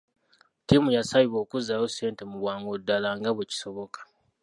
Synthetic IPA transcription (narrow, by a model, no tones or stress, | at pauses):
timujasaβiβo̞ːkuzajose̞ːnte̞muβwaːŋɡodːalaŋɡaβweci̥so̞βo̞kḁ